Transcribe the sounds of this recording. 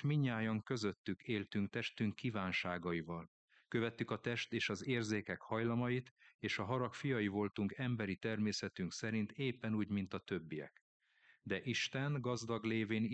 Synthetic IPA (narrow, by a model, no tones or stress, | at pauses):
miɲːaːjɒŋkø̞zøt̪ːykeːlt̪yŋkt̪ɛʃt̪yŋkːivaːnʃaːɡɒjivɒl | kø̞vɛt̪ːykɒt̪ɛʃt̪eːʃɒzeːrzeːkɛkhɒjlɒmɒjit̪eːʃɒɦɒɾɒkfijɒjivo̞lt̪uŋkɛmbɛɾit̪ɛrmeːsɛt̪yŋksɛɾint̪eːpːɛnuːɟmint̪ɒt̪ø̞bːijɛ̰k | d̪ɛʔiʃt̪ɛnɡɒzd̪ɒɡleːveːn